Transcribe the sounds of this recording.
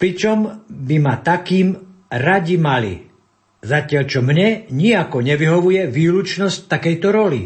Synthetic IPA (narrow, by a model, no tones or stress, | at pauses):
pɾit͡ʃɔmbimat̪akiːm | ɾaɟimalḭ | zacɪaʎt͡ʃɔmɲɛɲiakɔɲɛʋiɦɔʋujɛʋiːlut͡ʃnɔsc̚t̪akɛjt̪ɔɾɔlḭ